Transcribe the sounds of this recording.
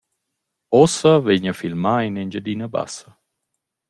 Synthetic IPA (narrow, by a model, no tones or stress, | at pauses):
ɔsəveɲafilmainend͡ʒəd̪inəba̰sə